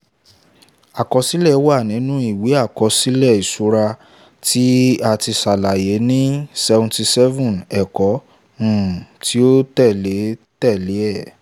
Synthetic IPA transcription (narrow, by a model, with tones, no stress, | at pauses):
a˨kɔ˨˧si˦lɛ˦˨˦wa˦˨nĩ˨˦nũ˦i˦˨we˨˦a˦˨kɔ˧si˦lɛ˦˨i˨su˨˦ɾa˧ | ti˦a˧ti˧sa˨la˨je˨˦nĩ˦sɛ˧vɔ̃˧ti˧sɛ˦vũ˦˨nɛ˨kɔ̃˨˦˨ | ti˨˦o˦tɛ˦˨le˨˦tɛ˦˨le˨˦ɛ˦˨